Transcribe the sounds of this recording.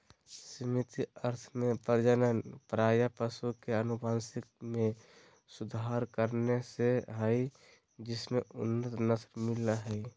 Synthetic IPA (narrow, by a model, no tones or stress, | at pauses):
sɪmɪt̪iəɾt̪ʰmẽpəɾd͡ʒənənpɾaːjapəsukeənʊbʱaːnsɪk̚mẽ | sʊd̪ʱaɾkəɾneseɦəi | d͡ʒɪsmẽʊnːət̪nəsɾmɪlaɦəi